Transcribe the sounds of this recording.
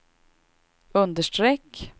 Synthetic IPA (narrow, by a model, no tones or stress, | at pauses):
ɵnd̪əʂʈɾɛkː